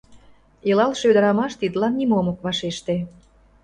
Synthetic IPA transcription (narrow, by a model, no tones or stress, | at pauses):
ilɑlʃød̪əɾɑmɑʃt̪id̪lɑnːimomokβɑʃeʃt̪ĕ